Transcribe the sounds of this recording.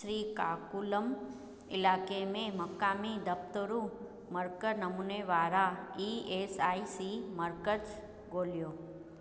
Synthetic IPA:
ɾikakuləm | ɪlakemẽməkamid̪əp̚t̪əɾũ | məɾkənəmuneʋaɾaiesaisiməɾkət | ɡoljo

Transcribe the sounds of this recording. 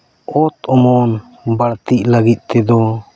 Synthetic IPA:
ɔt̪ɔmɔn | baɽt̪ic̚laɡit̪̚ˀt̪ɛd̪ɔ

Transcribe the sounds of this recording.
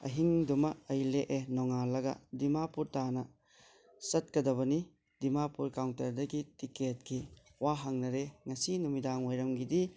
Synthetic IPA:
ɐ̰ɦiŋdumɐɐjleʔenɔŋalɐɡɐ̰dimapuɾtanɐ | sɐt̚kɐdɐβɐni | dimapuɾkawntɐɾdɐɡitiket̚ki | waɦɐŋnɐɾeŋɐsinumidaŋojɾɐmɡidi

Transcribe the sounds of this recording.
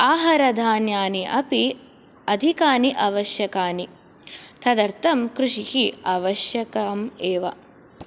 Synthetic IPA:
aːɦɐɾɐd̪ʱaːnjaːniʔɐpi | ɐd̪ʱikaːniʔɐʋɐʃjɐkaːni | t̪ʰɐd̪ɐɾt̪ɐmkɾuʂihiaːʋɐʃjɐkaːmeːʋɐ̰

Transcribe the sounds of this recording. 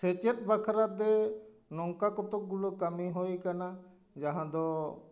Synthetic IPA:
set͡ʃet̪̚bakʰɾad̪ɛ | nɔŋkakɔt̪ɔk̚ɡulokəmiɦojkana | d͡ʒaɦãd̪ɔ

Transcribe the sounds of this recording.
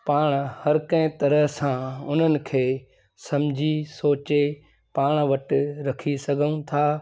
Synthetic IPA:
paːɽ̃hɐɾkɐ̃ɪ̃t̪ɐɾəɦsãʊn̤ənɪ̆kʰeː | sɐmd͡ʑʱisoːt͡ɕe | paːɽ̃ʋɐʈɪɾɐkʰisɐɡʱəũt̪ʰaː

